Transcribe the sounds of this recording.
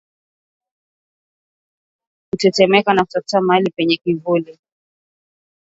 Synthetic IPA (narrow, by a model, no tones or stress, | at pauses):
kutɛtɛmɛkanakutḁtamalipɛɲɛkivuli